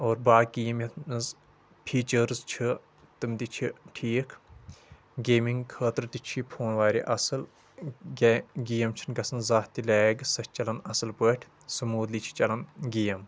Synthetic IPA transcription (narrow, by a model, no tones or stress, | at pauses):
oːɾbaːkijɐmjɐɨz | pʰiːt͡ʃəɾzt͡ʃʰi | t̪ɨmt̪it͡ʃʰiʈʰiːkʰ | ɡeːmiŋɡkʰəːt̪ɾt̪it͡ʃʰipʰoːnʋaːɾḭʔɐsɨlː | ɡijɐmt͡ʃʰinɡɐsɐnzaːt̪ːileːɡsɐst͡ʃɐlɐnɐsɨlpəːʈʲʰ | sɨmuːd̪lit͡ʃʰi̥t͡ʃɐlɐnɡiːɐm